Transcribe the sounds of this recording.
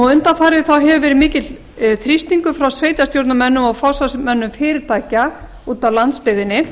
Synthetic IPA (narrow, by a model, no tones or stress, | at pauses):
ɔʏnt̪anfaːɾɪðθawɦɛvʏvɛːɾɪmɪːcɪt̪l | θɾist̪niŋkʏfɾawsveːjt̪ast̪jowɾt̪namɛnːʏmɔɣfawsasmɛnːʏmfɪːɾɪɾt̪ʰaːjca | uːt̪awlant̪spɪðɪnːɪ